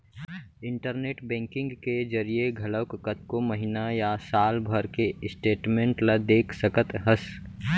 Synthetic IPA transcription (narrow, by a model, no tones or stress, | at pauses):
ɪ̃ɳʈəɾneːʈbɛ̃ːŋkɪ̃ŋɡked͡ʒəɾijeɡʱɐləwkkət̪komɐɦɪnajasaːlbʱəɾkeɪsʈeːʈmẽːɳʈlad̪eːkʰsəkət̪ɦəs